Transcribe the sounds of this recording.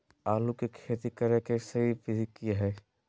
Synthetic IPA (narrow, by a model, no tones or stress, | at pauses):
aːlukekʰeːt̪ikɐɾekesɐɦipɪzikiɦɛː